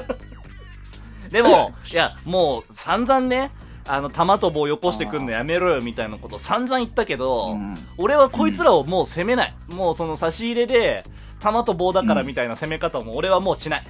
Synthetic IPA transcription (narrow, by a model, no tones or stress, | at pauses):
d̪e̞mo̞jamoːsãnd͡zãnːe̞ | ano̞t̪amat̪obo̞ːjo̞ko̞ɕi̥t̪e̞kɯ̟̃nːojame̞ɾojomʲit̪ainako̞t̪o̞sãnd͡zãɰ̃it̪ːake̞d̪o̞ | oɾe̞βako̞it͡sɨɾaomo̞ːse̞me̞nai | moːso̞no̞saɕiːɾe̞d̪e̞ | t̪amat̪o̞bo̞ːd̪akaɾamʲit̪ainase̞me̞kat̪aomoːɾe̞βamo̞ːɕinai